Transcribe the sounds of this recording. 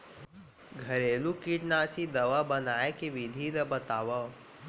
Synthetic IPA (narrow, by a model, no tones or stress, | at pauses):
ɡʱɐɾeːlukiʈnaːsid̪ɐʋabɐnaːekeʋid̪ʱid̪ɐbət̪aːʋa